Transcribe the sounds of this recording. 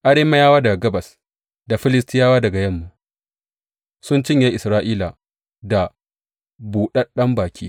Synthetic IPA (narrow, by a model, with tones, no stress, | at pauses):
ʔa˦ɽeː˦ma˦jaː˦waː˦dɐ˨ɡɐ˦bɐ˨s | da˨ɸɪ˦lɪ˦stɪ˦jaː˦waː˦dɐ˨ɡa˨jɐ˦mːu˦ | sʊ˦nt͡ʃɪ˦ɲja˦ʔɪ˨sɾaː˦ʔiː˦la˨ | da˨ | buː˨ɗɐ˦ɗɐ˦mbaː˨kʲʰiː˦